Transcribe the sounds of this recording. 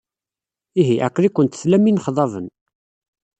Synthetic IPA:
iɦiʔæ̰kːɾikʷːənt̪θlæminχðˤɑvən

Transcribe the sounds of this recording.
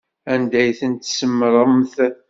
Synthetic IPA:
ænd̪æjθənt̪səmːɾˤəmθ

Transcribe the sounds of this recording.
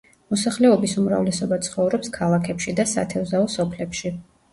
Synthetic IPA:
mɔsaχlɛɔbisumɾa̰vlɛsɔbat̪sʰχɔvɾɔpskʰalˠakʰɛpʃid̪asa̰t̪ʰɛvzaɔsɔpʰlɛpʃi

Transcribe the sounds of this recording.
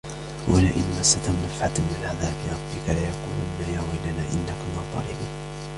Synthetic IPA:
ʔʊlaʔɪ̰namasat̪amnafʕat̪mɪnalʕaðaːbiɾˤɑbːɪkalajɑqṵːlʊnːajaːwajlanaːʔɪnːakʊmat̪ˤːɑ̰lɪbuːn

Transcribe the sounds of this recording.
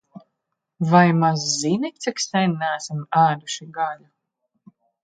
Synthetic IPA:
vajmazːinit̪siksɛjnnæːsamæːd̪uʃiɡaʎʲa

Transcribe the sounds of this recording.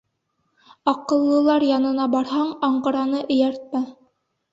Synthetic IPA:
ɑqɤ̆lˠːɤ̆lˠɑɾjɑnɤ̆nɑbɑɾɦɑɴɑɴqɤ̆ɾɑnɤʔɵ̆jæɾt̪̚mæ

